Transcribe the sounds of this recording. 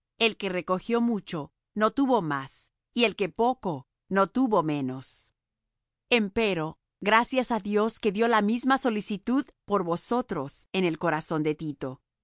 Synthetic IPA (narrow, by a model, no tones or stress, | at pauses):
e̞lke̞re̞ko̞xjo̞mut͡ʃo̞ | no̞t̪uβo̞mas | ie̞lke̞po̞ko̞ | no̞t̪uβo̞me̞no̞s | e̞mpe̞ɾo̞ | ɣɾasjasaðjo̞ske̞ðjo̞lamizmaso̞lisit̪uðpo̞ɾβo̞so̞t̪ɾo̞se̞ne̞lko̞ɾaso̞nd̪e̞t̪it̪o̞